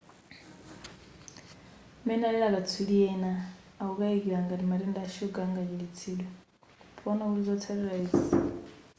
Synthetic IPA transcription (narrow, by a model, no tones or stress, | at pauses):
mɛnalɛɺakat͡sʰuɺiɛnaː | ukaekiɺaŋɡadimaɾɛndaʃuɡaŋɡakiɺit͡sʰiːlwɛ | pʰɔnauɾizɔtʰaɾiɺaiːsi